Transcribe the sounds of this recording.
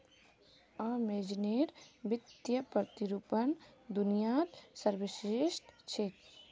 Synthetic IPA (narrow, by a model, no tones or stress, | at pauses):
amed͡ʒineːɾʋɪt̪jəpət̪iɾupənd̪ʊnijaːt̪səɾʋɪʃɾiʃʈt͡ʃʰet̪